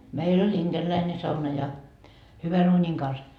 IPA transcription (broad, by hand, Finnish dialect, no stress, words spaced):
meil olʲ inɡ̊erlæine sɑunɑ jɑ hyʋæn uːnʲiŋ kɑns